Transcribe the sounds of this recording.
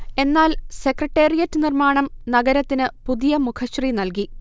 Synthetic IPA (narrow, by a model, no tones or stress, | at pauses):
e̞nːaːlse̞krɐʈːe̞ːrijɐtːɨnirmaːɳɐmnɐɡɐɾɐt̪ːinɨpuðijɐmukʰɐɕrinɐlk̬i